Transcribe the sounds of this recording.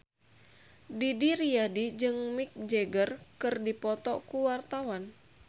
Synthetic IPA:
didiɾiadid͡ʒɨŋmik̚d͡ʒɛɡərkɨrdipɔt̪ɔkuwart̪awan

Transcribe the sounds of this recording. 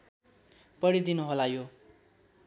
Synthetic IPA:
pʌɽid̪inuɦolajo

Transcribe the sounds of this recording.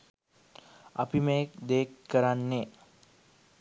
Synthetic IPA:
ɐ̰pimekd̪eːkːəɾanːe

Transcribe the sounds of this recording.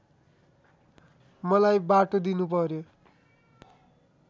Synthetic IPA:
mʌlajbaʈod̪inup̬ʌɾjo

